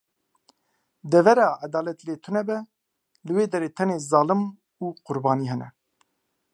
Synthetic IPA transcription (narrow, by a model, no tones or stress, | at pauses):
d̪ɛvɛɾɑːad̪ɑːlɛt̪ileːt̪ʰunɛbɛ | lɨweːd̪ɛɾeːt̪ʰɛneːzɑːlɨm | uːqʊɾbɑːniːɦɛnɛ